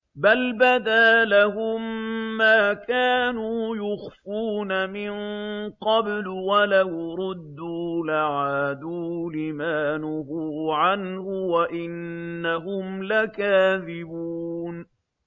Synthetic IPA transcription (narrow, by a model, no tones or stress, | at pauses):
balbad̪aːlaɦʊmːaːkaːnuːjʊxfuːnamɪɴqɑblwalajɾʊd̪ːuːlaʕaːd̪uːlɪmaːnʊɦʊʕanhʊwaʔɪnːaɦʊmlakaːðɪbuːn